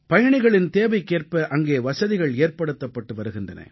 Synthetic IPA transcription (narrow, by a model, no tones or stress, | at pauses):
pɐjɐɳɪɣɐɭɪnt̪eːʋɐɪkːeːrpɐʔɐŋɡeːʋɐsɐðɪɣɐɭeːrpɐɽɯt̪ːɐpːɐʈːɯʋɐɾɯɣɪndrɐnɐ̰